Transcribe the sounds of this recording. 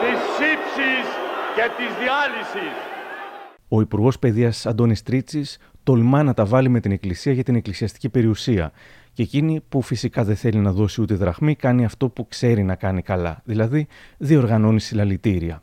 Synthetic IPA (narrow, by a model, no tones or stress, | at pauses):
t̪isipsisce̞t̪izðiɐlisis | o̞ipuɾɣo̞spe̞ðiɐsɐnd̪o̞nist̪ɾit͡sis | t̪o̞lmɐnɐt̪ɐvɐlime̞t̪ine̞klisiɐʝɐt̪ine̞klisiɐst̪i̥cipe̞ɾiusiɐ̰ | cecinipufisikɐðeθe̞linɐðo̞siut̪eðɾɐɣmikɐniɐft̪o̞pukse̞ɾinɐkɐnikɐlɐ̰ðilɐðiðio̞ɾɣɐno̞nisilɐlit̪iɾiɐ̰